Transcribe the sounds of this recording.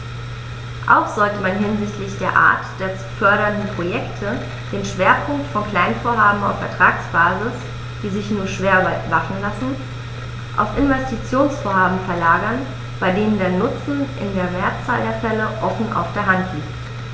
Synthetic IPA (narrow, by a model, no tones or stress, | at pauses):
ʔa̰ʊxz̥ɔltəmanɦɪnzɪçtlɪçd̥eːɐʔa̰ːɐtd̥eːɐt͡su̥fœɐɾɐndn̩pʁ̥ojɛktʰə | d̥eːnʃv̥eːɐpʰʊŋktfɔnkl̥aɪnfoːɐɦaːbm̩a̰ʊfɛɐtʁ̥aːksb̥aːzɪs | d̥iːzɪçnuːɐʃv̥eːɐvafn̩lasn̩ | ʔa̰ʊfʔɪnvɛstit͡sjoːnsfoːɐɦaːbm̩fɛɐlaːɡɐn | b̥aɪdeːnəndeːɐnʊt͡sn̩ʔɪ̰ndeːɐmeːɐt͡sa̰ːldeːɐfɛləʔɔfn̩ʔa̰ʊfd̥eːɐɦantʰliːkt